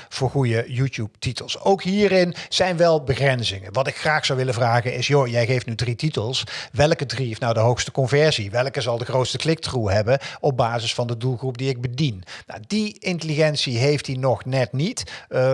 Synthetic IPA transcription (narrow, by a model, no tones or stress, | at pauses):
v̥ʊːɹχujəjuːtjup̚titəlˠsowkɦiːrɪnz̥ɛjnʋɛlˠbəɣɛnzɪŋənʋɑtɪkxraːxsɑwʋɪləvraːɣənɪsjojɛjɣejftnydrititəlˠsʋɛlˠkədrifnawdəɦowxstə̥kɔnvɛɹziʋɛlˠkəzɑlˠdəχrowtstəklɪk̚truɦɛbənɔb̚baːzɪsfɑndədulˠχrup̚diɪɡ̚bədinna̰diɪntəliɣɛntsiɦejftinɔχnɛtnit